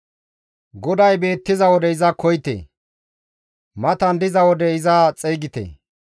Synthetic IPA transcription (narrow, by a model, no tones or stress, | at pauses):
ɡɔd̪ɐjbe̞ːt̪ːɪzɐwɔd̪ɛɪzɐkɔjt̪ḛ | mɐt̪ɐnd̪ɪzɐwɔd̪ɛɪzɐt͡sʼɛjɡɪt̪ḛ